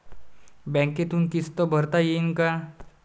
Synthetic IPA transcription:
bɛ̃ŋket̪unkist̪obʱəɾt̪ajinka

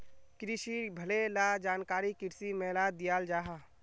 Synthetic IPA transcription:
kɾɪʃibʱəlelaːd͡ʒaːnkaːɾikɪɾsimɛːlaːd̪ɪjaːld͡ʒaːɦa

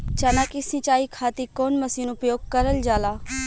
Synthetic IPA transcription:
t͡ʃɐnakisĩt͡ʃaːikʰaːt̪ikoːnmɐsiːnʊpjoːɡ̚kɐɾəld͡ʒaːlaː

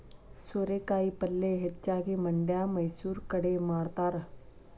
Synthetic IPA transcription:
soːɾeːkaːiːpəlːeːɦɐtːt͡ʃaːkeːməɳɖjaːməjsuːɾkəɽeːmaːɽt̪aːɾɐ

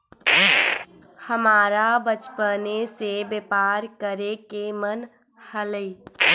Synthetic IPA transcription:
həmaːɾabət͡ʃpənesebepaːɾkəɾekemən | hələi

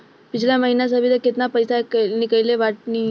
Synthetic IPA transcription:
pit͡ɕʰljaməɦinas̬abʱiːt̪əket̪napəjsakənikəjleʋaʈ̚ni

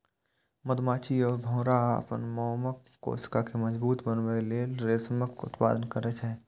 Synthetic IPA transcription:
məd̪maːt͡ʃiɔːɾbʱɔ̃ːɾaə̰pənmɔːməkːo̰ːskakeməd͡ʒbuːt̪bənʋɾelelɾeːsməkʊ̰t̪pa̰ːd̪ənkəɾɛt͡ʃʰɛ̃ː

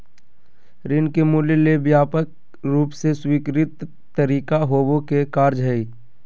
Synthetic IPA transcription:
ɾɪnkemuːljliebjaːpək̚ | ɾuːpseswiːkɾɪt̪ː | əɾiːkaɦoːbõkekaːɾd͡ʒɦɛi

